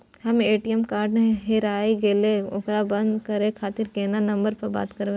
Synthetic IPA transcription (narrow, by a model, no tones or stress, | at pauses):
hɐmeːʈiɛmkaːɾɖneɦeɾaːiɡeːleʊ̰kɾabɐ̃nd̪kɐɾẽkʰaːt̪ɪɾkeːnanɐ̃mbəɾpɐɾba̰ːt̪kɐɾʋe